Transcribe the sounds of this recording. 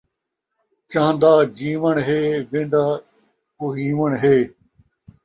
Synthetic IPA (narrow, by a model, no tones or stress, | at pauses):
t͡ʃãːnd̪aːd͡ʑiːʋəɳɦeːʋẽːnd̪aː | koɦĩːʋəɳɦeː